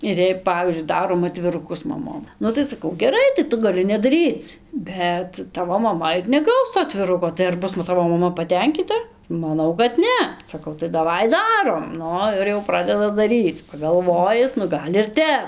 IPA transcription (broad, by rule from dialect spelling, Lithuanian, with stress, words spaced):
ɪr jɛɪ ˈpɑːʋʲiːzʲd͡ʒʲʊɪ ˈdɑːroːm ɐtʲʋʲɪrʊˈkʊs mɐˈmoːm ˈnʊ tɐɪ sɐˈkɐʊ ɡʲɛˈrɐɪ tɐɪ ˈtʊ ɡɐˈlʲɪ nʲɛdɐˈrʲiːt͡s ˈbʲɛt ˈtɑːʋoː mɐˈmɐ ɪr nʲɛˈɡɐʊs toː ɐtʲʋʲɪˈrʊkoː tɐɪ ɐr ˈbʊs nʊ ˈtɑːʋoː mɐˈmɐ pɐˈtʲɛŋʲkʲiːtɐ mɐˈnɐʊ kɐt ˈnʲɛ sɐˈkɐʊ tɐɪ dɐˈʋɐɪ ˈdɑːroːm ˈnʊ ɪr jɛʊ ˈprɑːdʲɛdɐ dɐˈrʲiːt͡s pɐɡɐlˠˈʋoːjɪs nʊ ˈɡɐlʲ ɪr ˈtʲɛp